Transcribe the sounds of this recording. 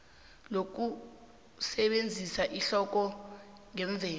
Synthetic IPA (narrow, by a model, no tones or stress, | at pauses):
lok̬u | sɛɓend͡zʱisaʔiɬɔk̬ɔ | ŋɛɱb̪vʱɛː